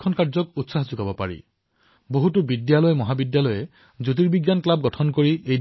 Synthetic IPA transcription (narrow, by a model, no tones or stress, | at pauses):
ɔnkaɹzɔk̚utsaɦzukabɔpa̰ɹḭ | boɦutubidjalɔjmɔɦabidjalɔjɛ | zut̬iɹbiɡjanklab̚ɡɔtʰɔnkoɹiej